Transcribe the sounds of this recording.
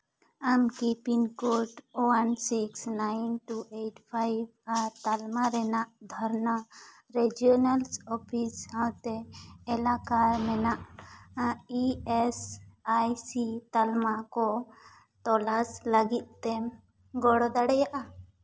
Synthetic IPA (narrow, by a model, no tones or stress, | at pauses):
amkipinkoʈowansiksnajnʈuʔeʈpʰajbaɾt̪almaɾɛnaʔd̪ʱɔɾnə | ɾɛd͡ʒiɔnalsɔpʰishãwt̪ɛːlakaɾmɛnaʔ | iɛsajsit̪almakɔ | t̪ɔlaslaɡit̪̚t̪ɛm | ɡɔɽɔd̪aɽɛjaʔa